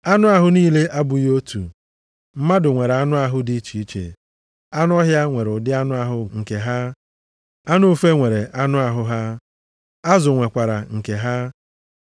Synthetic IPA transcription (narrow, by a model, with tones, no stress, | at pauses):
a˦nʊ˦a˦ɦʊ˦niː˦le˦ʔa˦bʊ˨jo˦tṵ˨ | m̩˦ma˦dʊ˨ŋʷe˨ɾa˦nʊ˦a˨ɦʊ˦di˦t͡ʃi˨i˦t͡ʃḛ˨ | a˦nʊ˦ɔ˦ɦja˦ŋʷe˨ɾʊ˨dɪ˦a˦nʊ˦a˨ɦʊ˦ŋ̩˨ke˨ɦa˦ | a˦nʊ˦o˦fe˦ŋʷe˨ɾe˨ʔa˦nʊ˦a˨ɦʊ˦ɦa˦ | a˦zʊ˨ŋʷe˨kʷa˨ɾa̰˨ŋ̩˨ke˨ɦa˦